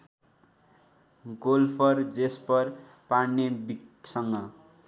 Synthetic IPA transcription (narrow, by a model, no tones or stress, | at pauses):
ɡolpʰʌrd͡zespʌr | pannebiksʌŋɡʌ